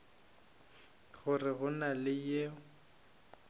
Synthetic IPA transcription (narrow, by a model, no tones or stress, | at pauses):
ɣʊrɪɣʊnalɪjeʊ